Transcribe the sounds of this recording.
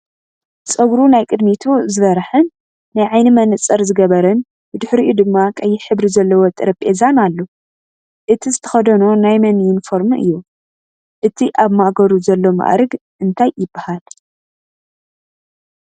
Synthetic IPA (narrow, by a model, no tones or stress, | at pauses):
t͡sʼɐɡɾunajkʼɨd̪mit̪ʰuzɨβɐɾħɨnː | ajʕajnɨmɐnɨt͡sʼɐɾzɨɡɐβɐɾɐn | bɨd̪ɨħɾiʔud̪ɨmːakʼɐjːɪħɨβɾizɐlːɐwot̪ʼɨɾɐpʼezanalːo | ʔɨt̪ʰizɨt̪ʰɐ̥xɐd̪ɐnonajmɐnɪnfo̞ɾmɨ̰jːu | ʔɨt̪ʰiʔaβmaʔɡɐɾuzɐlːo̞ma̰ʔɾɨɡʔɨnt̪ʰajːɪbːahal